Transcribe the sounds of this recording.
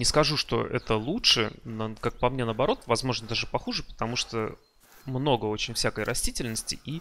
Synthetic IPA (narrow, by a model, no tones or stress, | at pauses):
nʲɪskɐʐuʂt̪o̞̰ʔɛ̰t̪əlˠutʂɨ̰nkak̚pɐmnʲenəbɐɾo̞t̪vɐzmo̞ʐnəd̪aʐɨpɐxuʐɨpə̥t̪ɐmuʂt̪o | mno̞ɡəo̞t͡ɕɪnʲfsʲækəjɾʔɐsʲtʲitʲɪlʲnəsʲtʲɪ̰ʔi